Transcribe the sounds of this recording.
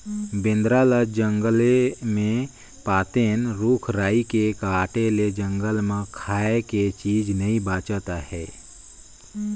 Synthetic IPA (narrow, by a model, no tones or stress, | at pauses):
bɪ̃nd̪ɾaːləd͡ʒə̃ŋɡəlemẽ | paːt̪eːnɾuːkʰɾaːikekaːʈeled͡ʒə̃ŋɡəlmẽkʰaːeket͡ʃiːd͡ʒnɐĩbaːt͡ʃət̪ahɛː